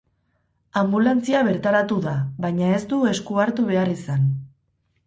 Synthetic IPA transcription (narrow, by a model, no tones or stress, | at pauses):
ambulant͡siaβe̞ɾt̪aɾat̪uðaβajɲae̞st̪ue̞skuaɾt̪uβ̞e̞arisan